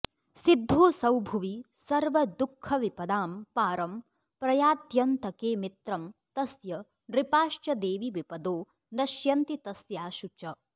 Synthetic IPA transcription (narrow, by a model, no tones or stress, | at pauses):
sid̪ʱːoːsɐwbʱuʋi | sɐɾʋɐd̪ukʰːɐʋipɐd̪aːmpaːɾɐm | pɾɐjaːt̪jɐnt̪ɐkeːmit̪ɾɐmt̪ɐsjɐ | ɾipaːʃt͡ʃɐd̪eːʋiʋipɐd̪oː | d̪ɐʃjɐnt̪it̪ɐsjaːʃut͡ʃɐ